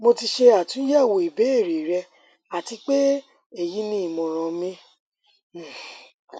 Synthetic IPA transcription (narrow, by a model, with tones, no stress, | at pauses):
mo˧ti˧ʃe˧a˦˨tũ˨˦jɛ˦˨wo˨i˨be˨˦e˦˨ɾi˨ɾɛ˧ | a˨ti˧k͡pe˦ | e˦˨ji˨˦nĩ˦i˨mɔ̃˨ɾ̃ɔ̃˧˨mĩ˦˨